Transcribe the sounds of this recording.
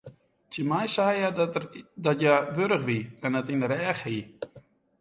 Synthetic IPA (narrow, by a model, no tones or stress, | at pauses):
təmajsajadɔtjaʋøɾəxʋiɛnɛtinəɾɛːxhi